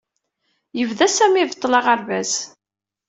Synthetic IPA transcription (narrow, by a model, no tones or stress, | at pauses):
jəvðæsæmivt̪ˤːlɑʁəɾvæz